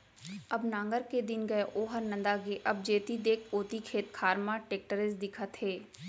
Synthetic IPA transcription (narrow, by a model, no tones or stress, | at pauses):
ɐbnãːŋɡəɾked̪ɪnɡɐeʔoːɦəɾnɐ̃nd̪aɡeʔɐb̚d͡ʒeːt̪id̪eːkʰoːt̪ikʰeːt̪kʰaːɾmãʈeːk̚ʈəɾɪsd̪ɪkʰət̪ɦeː